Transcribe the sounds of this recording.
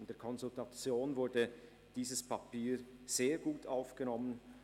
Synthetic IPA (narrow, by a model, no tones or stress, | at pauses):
nd̥eːɐkʰɔnzʊltat͡sjoːnvʊɐdə | d̥iːzəspʰapiːz̥eːɐɡuːtaʊfɡ̥ənɔmən